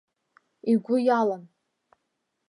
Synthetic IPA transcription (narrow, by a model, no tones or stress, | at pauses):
iɡʷʊjalan